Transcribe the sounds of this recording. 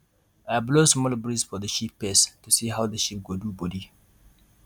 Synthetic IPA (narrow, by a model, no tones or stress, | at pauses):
ajblosmɔlbɹisfɔðəʃipːɛstusiɦaʊðəʃip̚ɡodubɔdi